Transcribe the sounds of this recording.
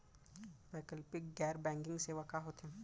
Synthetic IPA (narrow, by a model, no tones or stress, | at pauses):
baːkəlpɪkɡɛːɾbɛ̃ːŋkɪ̃ŋɡseːʋakaɦoːt̪ɦɛ̃ː